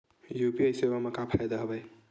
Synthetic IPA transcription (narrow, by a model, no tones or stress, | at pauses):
jupiajsebamakapʰajd̪ʌɦɐbaj